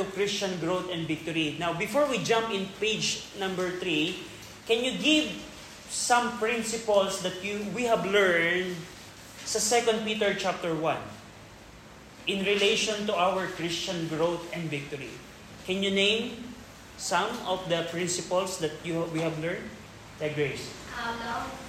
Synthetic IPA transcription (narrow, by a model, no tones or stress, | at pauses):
t̪ʊkɹɪst͡ʃãnɡɹot̪ɛ̃nd̪vɪk̚t̪ɔɹinawbɪfɔɹwid͡ʒãmpɪ̃npejd͡ʒnãmbɛɹt̪ɹi | kɛnjʊɡɪv | sɐ̃mpɹɪ̃nsɪpɐlsd̪ɐt̪juwihɛvlɛɹnd̪̚ | sɐsɛkɔ̃nd̪̚pit̪ɛɹt͡ʃap̚t̪ɛɹwɐ̃n | ɪ̃nɹɪlejʃɔ̃nt̪uawəɹkɹɪst͡ʃɐ̃nɡɹowt̪ɛ̃nd̪vɪk̚t̪ɔɹḭ | kɛ̃njunẽjm | sɐ̃mɔvd̪ɐpɹɪ̃nsɪpɐlsd̪ɐt̪̚juwihɛvlɛɹnd̪ | d̪ɐɡɹesala